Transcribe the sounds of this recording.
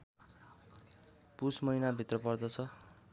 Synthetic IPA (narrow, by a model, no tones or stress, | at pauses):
pusmʌinabʱit̪rʌpʌrd̪ʌt͡sʰʌ